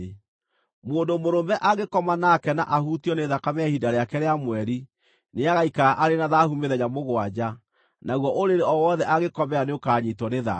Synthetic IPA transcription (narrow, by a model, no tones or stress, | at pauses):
moːndomoɾomɛʔaɣekɔmanakɛnaʔahutjɔneðakameahidaɾeakɛɾeamwɛɾi | neaɣaikaaʔaɾenaðahumeðɛɲamoɣwad͡ʑa | naɣwɔʔoɾeɾeɔwɔðɛʔaɣekɔmɛaneokaɲitɔneða̰